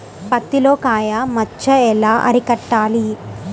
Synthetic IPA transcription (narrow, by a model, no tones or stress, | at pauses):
pɐt̪ːilo̞ːkaːjamɐt͡ʃːɐɛlaːʔɐ̰ɾikɐʈːaːli